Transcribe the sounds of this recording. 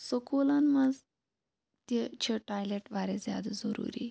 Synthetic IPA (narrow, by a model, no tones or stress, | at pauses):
səkolanmad͡z | t̪et͡ɕʰeʈajleʈʋaɾezjad̪azəɾṵɾḭ